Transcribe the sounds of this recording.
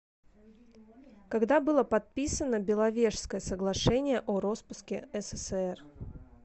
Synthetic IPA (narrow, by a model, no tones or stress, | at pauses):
kɐɡd̪abɨlˠəpɐt̪̚pʲisənəbʲɪlˠɐvʲe̞ʂskəjəsəɡlˠɐʂɛnʲɪjəʔoɾo̞spʊskʲɪ̰ɛsɛsɛr